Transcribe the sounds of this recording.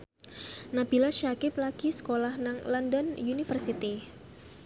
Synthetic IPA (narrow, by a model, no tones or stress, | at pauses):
nab̥ilaʃakɪplaɡ̥isə̥kolahnaŋlɔndənunifərsit̪i